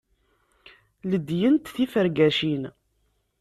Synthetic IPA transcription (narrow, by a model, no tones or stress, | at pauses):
ləd̪jənt̪θifəɾɡæʃin